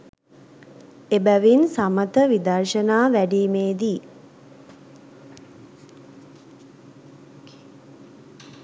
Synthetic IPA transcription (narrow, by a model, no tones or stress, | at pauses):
ebæʋinsamət̪əʋid̪ɐrʃənaːʋæɖiːmeːd̪i